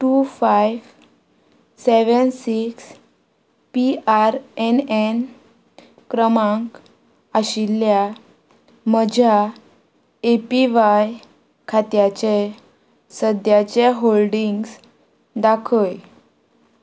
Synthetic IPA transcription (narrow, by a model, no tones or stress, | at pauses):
ʈufajʋ | seʋənsiks | piaɾɛnen | kɾəmãŋk | aɕilja | məd͡ʑʱa | epiʋaj | kʰat̪jat͡ɕe | səd̪ʱjat͡ɕeɦolɖiŋɡs | d̪akʰəj